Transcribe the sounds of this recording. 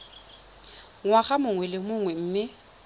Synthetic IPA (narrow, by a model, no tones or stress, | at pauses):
ŋwaɣamʊŋwɛlɪmʊŋwɛm̩ːmɪ